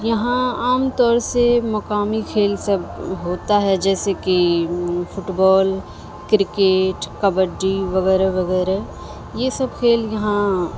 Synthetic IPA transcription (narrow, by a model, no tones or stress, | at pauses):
jɐɦãaːmt̪ɔːɾsemɐkaːmikʰeːlsɐbɦoːt̪aɦɛd͡ʒɛːseki | fʰʊʈbɔːl | kɾɪkeːʈkɐbəɖiʋɐɣɛːɾaʋɐɣɛːɾa | jesɐbkʰeːljɐɦã